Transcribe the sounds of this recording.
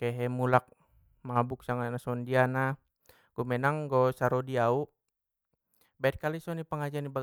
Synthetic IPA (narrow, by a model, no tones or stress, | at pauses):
kɛɦɛmulak̚ | mabuk̚saŋanasɔndiana | ɡ̥ɔmɛnaŋɡɔsaɾɔdiau | baɛt̪̚kalisɔnipəŋad͡ʒaniba